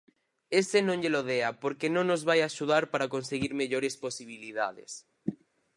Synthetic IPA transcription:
esenõŋʎeloð̞eapoɾkenõŋnozβajaʃuð̞aɾpaɾakonseɣiɾmeʎoɾesposiβ̞iliða̰ðḛs

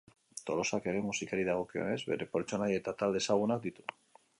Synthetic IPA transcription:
t̪olosakeɾemusikaɾiðaɣokeo̰nezβḛɾepoɾet͡ʃonajet̪at̪ald̪esaɣunakd̪it̪u̥

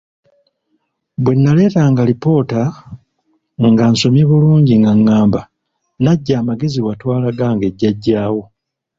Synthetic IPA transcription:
βwe̞nːale̞ːtaŋɡalipo̞ːta | ŋɡanso̞miβuluːɲɟiŋɡaŋːaːmba | naɟːaːmaɡe̞ziwatwaːlaɡaːŋɡe̞ɟːaɟːaːwo̞

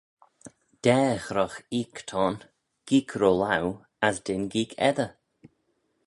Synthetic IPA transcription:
d̥ɛːxɾɔxiːkt̪ʰɔːn | ɡ̥iːkʰɾoːlaw | asd̪ɪnɡiːkʰɛ̰ðə

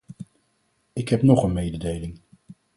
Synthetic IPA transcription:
ɪkɦɛpnɔχənmejdədejlɪŋ

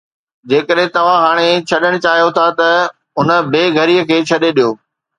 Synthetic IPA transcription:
d͡ʑeːkəɗɦɪ̃t̪ɐʋ̤ãɦaːɽ̃et͡ɕʰɐɗəɽ̃t͡ɕaːɦijot̪ʰat̪ɐ | ɦʊnə̆beːɡʱɐɾiːəkʰeːt͡ɕʰɐɗeɗijoː

